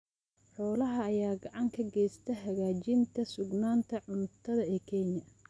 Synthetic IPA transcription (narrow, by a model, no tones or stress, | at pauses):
ħɔːlɐɦɐːjaːɡɑʕɑŋkʰɐɡɛjst̪ʰɐɦɐɣaːt͡ʃɪnt̪ʰɐsʊɡnaːnt̪ʰɐʕʊnt̪ʰɐðɐɛːkʰɛɲɐ